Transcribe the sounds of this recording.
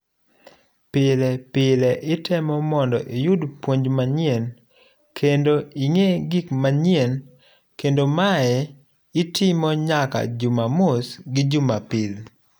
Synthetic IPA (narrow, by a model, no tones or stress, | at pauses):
pɪlɛpɪlɛʔɪtʰɛmɔmɔndɔʔijudpwoɲd͡ʒmaɲɪen | kʰendoiŋeɡikmaɲjen | kendomaɛ | ɪtʰɪmɔɲaka̰d͡ʒumamʊsɡɪd͡ʒumapɪl